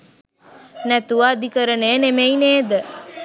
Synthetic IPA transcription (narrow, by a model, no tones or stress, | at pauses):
næt̪uʋaːd̪ikəɾəneːnemeineːd̪ə